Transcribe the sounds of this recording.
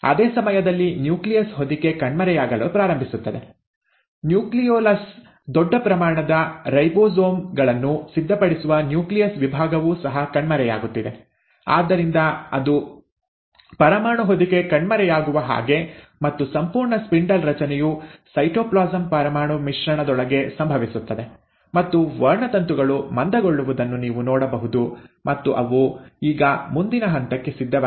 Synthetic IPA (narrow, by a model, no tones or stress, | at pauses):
ɐ̰d̪eːsɐmɐjɐd̪ɐlːinjuːklijɐsɦo̞d̪ike̞kɐɳmɐɾɛjaːɡɐlpɾaːɾɐmbʱisut̪ːɐd̪e̞̰ | njuːklijoːlɐs | d̪ɔɖːɐpɾɐmaːɳɐd̪ɐɾɐjboːzoːmɡɐɭɐnːusid̪ʱːɐpɐɽisuʋɐnjuːklijɐsʋibʱaːɡɐʋuːsɐɦɐkɐɳmɐɾɛja̰ːɡut̪ːid̪e̞ | a̰ːd̪ːɐɾind̪ɐɐd̪u | pɐɾɐmaːɳuɦod̪ike̞kɐɳmɐɾɛjaːɡuʋɐɦa̰ːɡe̞ | mɐt̪ːusɐmpuːɾɳɐspiɳɖɐlɾɐt͡ʃɐnɛjusɐjʈoːplaːzɐmpɐɾɐmaːɳumiʂɾɐɳɐd̪ɔɭɐɡe̞sɐmbʱɐʋisut̪ːɐd̪e̞ | mɐt̪ːuʋɐɾɳɐt̪ɐnt̪uɡɐɭumɐnd̪ɐɡoɭːuʋud̪ɐnːuniːʋunɔːɽɐbɐɦud̪umɐt̪ːuʔɐʋuiːɡɐmund̪inɐɦɐnt̪ɐkːe̞sid̪ʱːɐ